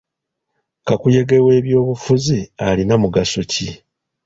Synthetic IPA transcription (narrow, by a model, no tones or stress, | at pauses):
kakuje̞ɡe̞we̞ːβjo̞ːβufuzialinamuɡasoci